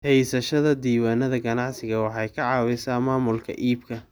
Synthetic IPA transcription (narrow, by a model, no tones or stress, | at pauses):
hɛjsɐʃɐðɐd̪iːwaːnɐðɐɡɐnɑʕsɪɣɐwɑħɑjkʰɐʕɑːwɪsaːmaːmʊlkʰɐ̰ʔiːbkʰɐ